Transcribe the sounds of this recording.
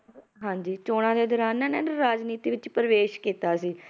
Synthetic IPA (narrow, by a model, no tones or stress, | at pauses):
ɦãːɲd͡ʒiːt͡ʃoːɽ̃ãːd̪eːd̪ɔːɾaːnɛːnɛ̃ːɾaːd͡ʒniːt̪iːʋɪt͡ʃpəɾəʋeːʃkiːt̪aːsiː